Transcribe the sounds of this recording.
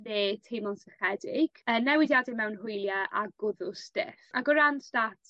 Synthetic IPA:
neːtʰejmɔnsəχɛdɪɡ̥əːnɛwɪdjadɪmɛwnɦʊjlˠjaʔaɡʊðʊstɪ̰faɡɔɾanstatʰ

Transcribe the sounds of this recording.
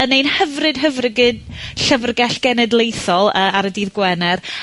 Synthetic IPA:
ənejnhəvrɨd̥ɦəvrəɡɨdɬəvrɡɛɬɡ̥ɛnɛdlˠejθɔlˠəːaɾədiːðɡwɛnɛr

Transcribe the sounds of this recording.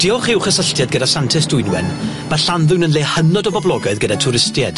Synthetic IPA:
d̥ɪɔχɪwχəsəɬtjad̚ɡədasantʰɪsdʊjnwɛ̰n | m̥aɬanðʊwnənlehənɔdɔbɔblˠɔɡaɨðɡədatʰʊɾɪstjɛd̥

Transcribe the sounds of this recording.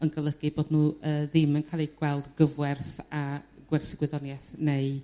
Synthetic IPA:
ənɡəlˠəɡɨboːdnuːəːðɪmənkʰaːlˠiɡ̥wɛlˠdɡəvwɛrθaɡ̥wɛrsɪɡwɪðɔnjɛθneɨ

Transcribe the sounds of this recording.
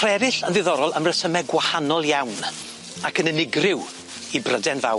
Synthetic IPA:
rɛvɪɬənðɨðɔɾɔlˠəmrəsəmɛɡwahanɔlˠjawn | akənənɪɡrɪw | ibrədɛnva̰w

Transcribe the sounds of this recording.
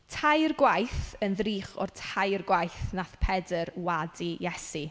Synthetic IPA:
tʰajrɡwajθənðriːχɔ̰rtʰajrɡwajθnaθpʰɛdərwadijɛsi

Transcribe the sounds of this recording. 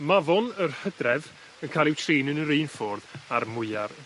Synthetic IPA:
mavɔnərhədrɛv | ənkʰalˠɪwtʰriːnənəɾeːnfɔːrðarmʊɨar

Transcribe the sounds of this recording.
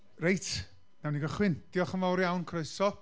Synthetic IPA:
rejtʰ | nawniɡəχwɪnd̥iɔχəmawɾjawnkʰreɨsɔ

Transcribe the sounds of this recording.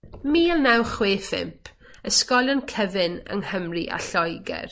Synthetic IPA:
miːlˠnawχwɪːfɪ̰mpʰ | əskɔlˠənkʰəvɨnə̰ŋhəmriʔa̰ɬɔjɡɛ̰r

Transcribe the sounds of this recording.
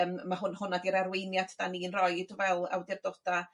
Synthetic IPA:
mmahʊnhʊnadiɾarwejnjatʰd̥aniːnrɔjdvɛlˠa̰wdɪrdɔd̥a

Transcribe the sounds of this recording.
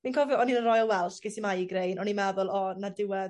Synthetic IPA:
minkʰɔvjɔɔninənrɔjɔlˠwɛlˠɬɡ̥esimajiɡrejnɔnimaðʊlˠɔnadɪwɛð

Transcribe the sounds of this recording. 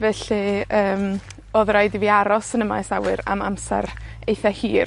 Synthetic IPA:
vɛɬiəːm | oːðrajdiviaɾɔsənəma̰jsawɨɾa̰mamsɛ̰ɾejθahiːr

